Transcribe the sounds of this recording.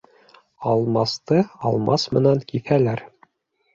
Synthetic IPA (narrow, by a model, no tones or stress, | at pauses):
ɑlˠmɑst̪ɤɑ̰lˠmɑsmɘ̆næŋkiθælæɾ